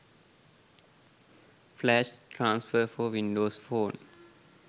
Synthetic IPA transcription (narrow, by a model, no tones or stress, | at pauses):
flɛʃtʰɾãnsfəfɔwĩndosfõːn